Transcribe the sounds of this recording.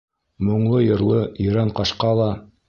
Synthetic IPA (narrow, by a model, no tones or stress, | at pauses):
mŏɴlˠɤjŏɾlˠɤɵɾæɴqɑʃqɑlˠɑ